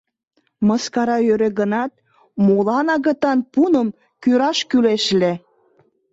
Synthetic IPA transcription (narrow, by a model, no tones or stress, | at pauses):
məskɑɾɑøɾeɣənɑt̪̚ | molɑnɑɣə̆t̪ɑnpunəm | kyɾɑʃkyleʃle